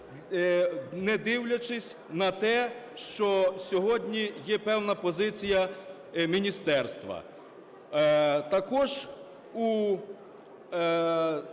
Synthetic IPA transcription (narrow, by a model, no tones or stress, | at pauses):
nɛd̪ɪwlʲɐt͡ʃɪsʲ | nɐt̪ɛʃt͡ʃɔsʲɔɦɔdʲnʲijɛpɛwnɐpɔzɪt͡sʲijɐ | mʲinʲist̪ɛrst̪ʋɐ̰ | t̪ɐkɔʒ | u